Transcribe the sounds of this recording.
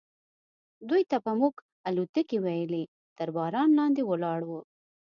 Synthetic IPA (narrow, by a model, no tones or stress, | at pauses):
d̪ujt̪apəmuɡ | alut̪əkiwajəli | t̪əɾbɑɾɑnlɑnd̪ewəlɑɽwu